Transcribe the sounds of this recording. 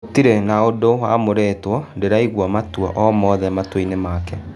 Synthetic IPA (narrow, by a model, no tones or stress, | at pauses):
tiɾenaodowa̰ːmoɾɛtwɔndeɾaiɣwɔmatwɔ̰ʔɔmɔːðɛmatweinemaːkɛ